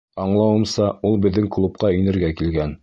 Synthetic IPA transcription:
ɑɴlˠɑwɤ̆msɑulˠbɘ̆ðːɘŋklˠup̚qɑɵ̆jnɘ̆ɾɡækilɡæn

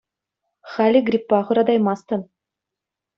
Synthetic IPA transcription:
χælʲiɡrʲipːɑʁɤ̆ɾɑd̪ɑjmɑst̪ɤ̆n

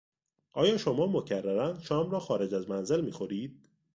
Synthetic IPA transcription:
ʔɒːjɒːʃo̞mɒːmocʰærːæɾænʃɒːmɾɒːxɒːɾe̞d͡ʒæzmænze̞lmiːxoɾiːd̪̥̚

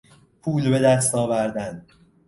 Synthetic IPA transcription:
pʰuːlbe̞d̪æst̪ɒːvæɾd̪æn

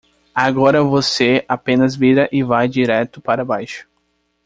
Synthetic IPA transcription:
aɡɔɾɐvoseapẽnɐzviɾɐʔɪvajd͡ʒiɾɛt̪ʊpaɾɐbajʃʊ̥

